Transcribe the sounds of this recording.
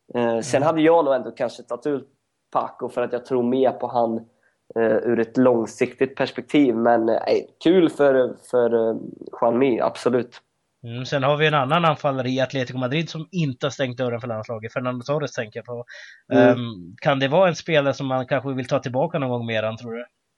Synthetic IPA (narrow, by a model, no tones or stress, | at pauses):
sɛnɦad̪ːəjɑːnuːɛnd̪oːkʰanʂəɛt̪nat̪ʰʉːlt̪̚ | pʰa̰kːʊfœɾat̪jɑːt̪ʰɾuːɾmeːɾpʰɔɦan | ʉ̟ːɾɛt̪lɔŋsɪkt̪ɪt̪̚pʰæʂpɛk̚t̪ʰiːvmɛn̰kʰʉ̟ːlfœɾfœɾɧwanmia̰b̥sɔlʉ̟ːt̪̩ː | sɛnhaɾvɪjɛnanːananfalːəɾɪat̪leːt̪ɪɡʊmad̪ɾɪd̪sɔmɪnt̪əhast̪ɛŋkt̪̚d̪œɾːənfœɭanslɑːɡət̪fœɳand̪ɔsɔɾəst̪ʰɛŋkəjapʰɔ | kʰand̪ɛvɑːɛnspeːlaɾəsɔmːankʰanɧəvɪlt̪ʰɑːt̪ʰɪlbɑːkanɔnɡɔŋːmeːɾant̪ʰɾuːɖɵ